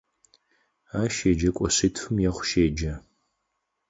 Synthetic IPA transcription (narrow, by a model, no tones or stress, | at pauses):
aːʃeːd͡ʒɐkʷʼɔɕɨtʰfɨmjɛχʷʃeːd͡ʒɐ